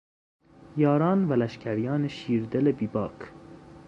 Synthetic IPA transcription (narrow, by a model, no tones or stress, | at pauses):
jɒːɾɑːnvælæʃcʰæɾjɑːneʃiːɾd̪elebiːbɒːkʰ